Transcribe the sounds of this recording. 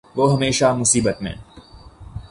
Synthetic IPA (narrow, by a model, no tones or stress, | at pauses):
ʋoːɦɐmeːʃamʊsiːbət̪mḛ̃ː